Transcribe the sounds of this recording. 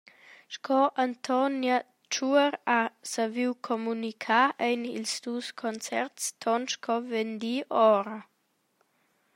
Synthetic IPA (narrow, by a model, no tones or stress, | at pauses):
ʃkʰɔʔant̪ʰɔnja | t͡ʃuəɾasaviwkʰɔmunikʰaʔejnḭlsd̪uskʰɔnt͡sɛɾtst̪ʰɔnʃkʰɔvend̪iʔɔɾə